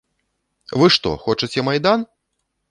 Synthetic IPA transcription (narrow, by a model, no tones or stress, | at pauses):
vɨʂt̪ɔ̰xɔt͡ʂɨt͡sʲɛmɐjd̪an